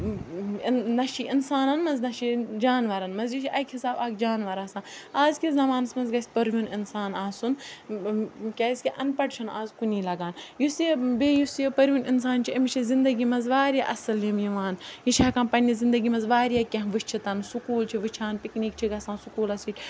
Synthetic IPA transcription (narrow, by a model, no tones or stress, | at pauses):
nɐʃiʔinsaːnɐnmɐnznɐʃid͡ʒaːnʋɐɾɐnmɐzjiʃʰiʔɐjkʰisaːbaːkd͡ʒaːnʋɐɾaːsãːaːzkʲizɐmaːnɐsmɐnzɡɐsʲpɐɾʋuninsaːnaːsun | kʲɐːsʲkʲiʔɐnpɐʈt͡ʃʰɐna̰ːzkuniːlɐɡaːnjusebeːjusjepɐɾʋunins̬aːnt͡ʃʰiɐmit͡ʃʰizind̪ɐɡimɐnzʋaːɾjaːʔɐsɐljimjiʋaːnjiʃaːkɐmpɐnʲizind̪ɐɡimɐnzʋaːɾjaːkʲɐ̃ɦʋɨʃt͡ʃʰit̪ɐnsukuːlt͡ʃʰiʋɨt͡ʃʰaːnpikniːk̚t͡ʃʰiɡɐsãːnsukuːlɐsiːt͡ʃʰʲ